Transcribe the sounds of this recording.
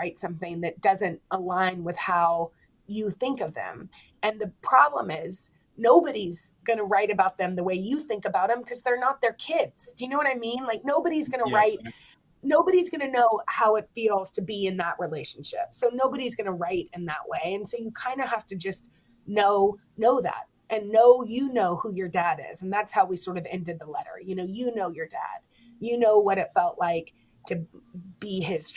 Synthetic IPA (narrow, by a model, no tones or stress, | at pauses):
aɪtsʌ̃mθɪ̃ŋðɨt̚d̥ʌzɨ̃nt̚ʔəlãɪ̃nwɨð̥haʊ | jɨθɪ̃ŋkʌvðɨ̰̃m | ɨ̃nðɨpʰɹ̥ɑblə̰̃mɪz̥ | noʊbɨɾizɡʌnɨɹaɪɾɨbaʊt̪̚ðɨ̃mðəweɪjɨθɪ̃ŋkɨbaʊɾ̚ɨ̃mkʰʌzðə˞nət̪̚ðə˞kʰɪdz̥d̥ɨjɨnoʊwʌɾaɪmĩnlaɪk̚noʊbɨɾizɡʌnəɹaɪt̚ | noʊbɨɾizɡʌñɨnoʊhaʊɨtfilˠz̥tʰɨbiɨ̃nðəʔɹʔileɪʃn̩ʃɪ̰psoʊnoʊbɨɾizɡʌnəɹaɪɾɨ̃nðə̰ʔweɪɨ̃nsoʊjɨkʰãɪ̃ndɨhæftɨd͡ʒʌst | noʊ | noʊðæ̰t̚ | ʔɨ̃nːoʊjɨnoʊhujə˞dæɾɪ̰zɨn̩ðætshaʊwisɔɹɾʌvɛ̰̃ndɨd̪̚ðəlɛɾə̰˞jɨnoʊjɨnoʊjə˞dæ̰d̥ | jɨnoʊwʌɾɨtfɛlˠʔlaɪk | tʰɨb̥iɪz̥